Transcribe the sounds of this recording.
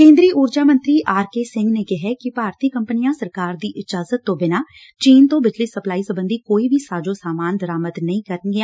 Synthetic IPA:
kẽːnd̪ɾiːʔʊːɾd͡ʒaːmə̃nt̪ɾiːʔaːɾkeːsɪ̃ŋɡneːkɪɦɛkɪpaːɾt̪iːkəmpənijãːsəɾkaːɾd̪iːʔɪd͡ʒaːzət̪ːõːbɪnaː | t͡ʃiːnt̪õːbɪd͡ʒliːsəplaːiːsəbənd̪iːkoːiːbʱiːsaːd͡ʒõːsaːmaːnd̪əɾaːməd̪nəĩːkəɾənɡea

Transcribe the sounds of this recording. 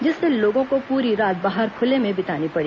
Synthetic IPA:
d͡ʒɪsːeloːɡõkopuːɾiɾaːt̪̚baːɦəɾkʰʊlemẽbɪt̪aːnipɐɽiː

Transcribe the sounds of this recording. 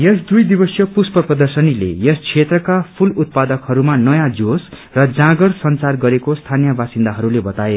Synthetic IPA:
jesd̪ujd̪ibʌsjʌpuspʌprʌd̪ʌrsʌnilḛjʌskʰet̪rʌkapʰulut̪̚pad̪ʌkhʌɾumanʌjãd͡zos | rʌd͡zãɡʌrsʌnt͡sarɡʌɾekost̪ʰanijʌbasind̪aɦʌɾulebʌt̪ae

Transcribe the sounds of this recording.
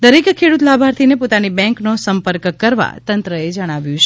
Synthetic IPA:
d̪əɾekkʰeɽut̪labʱaɾt̪ʰinepot̪anibɛ̃ŋknosəmpəɾkkːəɾʋa̰t̪ənt̪ɾəed͡ʒəɽ̃aʋjũt͡ʃʰ

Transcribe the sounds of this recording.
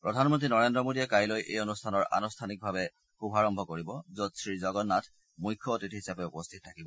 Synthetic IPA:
pɹɔdʱanmɔntɹinɔɹendɹɔmodiɛkajlojʔejonustʰanɔɹa̰nɔstʰanik̚bʱabɛ | xubʱaɹɔmbʱɔkoɹibɔzotsɹizɔɡɔnːatʰ | mujkʰːɔːtitɦisapɛupɔstʰitɔtʰːakibɔ

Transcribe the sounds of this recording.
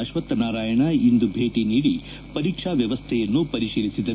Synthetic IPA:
ɐʃʋɐt̪ːɐnaːɾaːjɐɳɐind̪ubʱeːʈiniːɽi | pɐɾiːkʂaʋjɐʋɐst̪ʰɛjɐnːupɐɾiʃiːlisid̪ɐ

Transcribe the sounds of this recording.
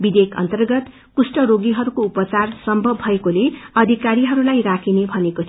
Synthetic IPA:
bid̪ekʰʌ̰nt̪ʌrɡʌt̪ | kusʈʌɾoɡiɦʌɾukoupʌt͡sarsʌmbʱʌbɦʌekoleʌd̪ʱikaɾiɦʌɾulajrakʰinebʱʌneko

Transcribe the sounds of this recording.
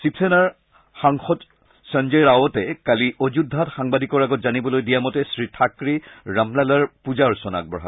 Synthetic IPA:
sipsɛnaɹ | xaŋxɔt | sand͡ʒeɹawɔtɛkaliʔod͡ʒudʱːatxaŋbadʱikɔɹaɡɔtzanibɔlojdijamɔtɛsɹitʰakɹiɹamlalaɹpuzaɹsɔna̰k̚bɹɔ̰ɦa̰

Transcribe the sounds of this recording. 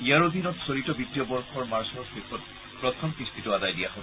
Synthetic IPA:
iaɹud̪inɔtsoɹitɔbitːijɔbɔɹxɔɹmaɹsɔɹxepʰɔt̚ | pɹɔt̪ʰɔmpist̪ʰitʊadajdijahɔb

